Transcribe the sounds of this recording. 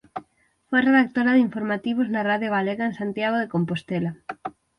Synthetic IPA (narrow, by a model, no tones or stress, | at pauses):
fojreðak̚t̪oɾɐðiɱfoɾmat̪iβ̞oznɐraðjoɣaleɣɐensant̪jaɣ̞oðekompost̪elɐ